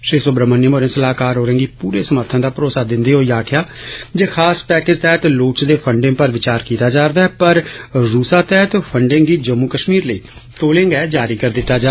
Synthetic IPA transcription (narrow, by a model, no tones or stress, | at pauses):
ʃeːsobɾəmənɪmoːɾẽːsəlaːkaːɾɦoːɾẽːɡiːpuːɾeːsəməɾt̪ʰãːd̪aːpɾoːsaːd̪ɪnd̪eːɦoːiːaːkʰɪjaːd͡ʒeːkʰaːspɛːkɪd͡ʒt̪ɛːt̪loːt͡ʃd̪eːpʰəɳɖɪ̃ŋpəɾʋɪt͡ʃaːɾkiːt̪aːd͡ʒaːɾd̪aːɦɛːpəɾɾuːsaːt̪ɛːɦt̪pʰəɳɖẽŋɡiːd͡ʒəmːuːkəʃmiːɾləiː | t̪oːlẽŋɡɛːd͡ʒaːɾiːkəɾd̪ɪt̪ːaːd͡ʒaː